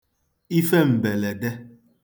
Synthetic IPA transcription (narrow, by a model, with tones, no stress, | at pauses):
i˦fe˦m̩˨be˨le˨de˦